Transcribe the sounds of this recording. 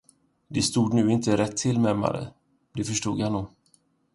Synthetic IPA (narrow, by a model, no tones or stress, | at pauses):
d̪ɛst̪uːd̪nʉ̟ːɪnt̪əɾɛt̪ʰːɪlmɛma̰ɾə̰ | d̪ɛfœʂʈṵːɡ̪januːɡ